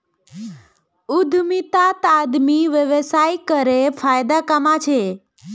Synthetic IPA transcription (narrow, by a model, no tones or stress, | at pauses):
ud̪ʱmit̪at̪ad̪miʋjəʋəsajkəɾefʰajd̪akamat͡ʃʰe